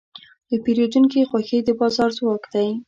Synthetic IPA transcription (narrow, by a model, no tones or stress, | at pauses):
d̪̥əpeɾjed̪unkixwaxed̪əbɑzɑɾzwɑkd̪aj